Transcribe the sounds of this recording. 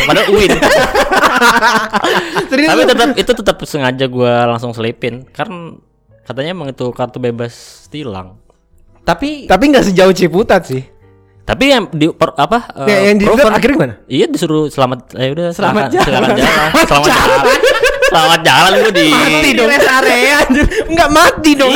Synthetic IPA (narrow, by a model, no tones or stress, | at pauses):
padaʔuɪn | səɾiapit̪ət̪əp̚it̪ut̪ət̪əp̚səŋad͡ʒaɡualaŋsʊŋsəlipɪnkarn | kat̪aɲaməŋit̪ukart̪ubebast̪ila̰ŋ | t̪apit̪ap̬iŋɡaʔsəd͡ʒaʊt͡ʃeput̪at̪sɪh | t̪apijadipapaəjajaŋdiɔakiɾɡmanaijadisuɾusəlamat̪̚audasəlmad͡ʒailakad͡ʒalamasəlamad͡ʒalalansəlamat̪̚d͡ʒalanɡudimat̪idɔasaɾeanŋɡaʔmat̪̚idɔŋ